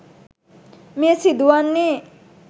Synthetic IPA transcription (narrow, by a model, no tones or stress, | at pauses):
misid̪uwanːi